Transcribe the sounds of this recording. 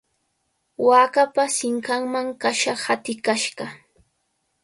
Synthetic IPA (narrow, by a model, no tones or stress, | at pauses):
waːkapasɪŋkaŋmaŋkaʃahat̪ɪkaʃɢɑ